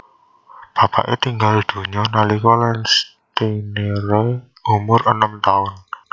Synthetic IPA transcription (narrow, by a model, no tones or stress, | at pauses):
b̥ä̤pa̰ʔḛt̪iŋɡaled̪̥o̤ɲɔnalikɔlɛns | t̪ineɾe | umʊrənəmt̪aʊn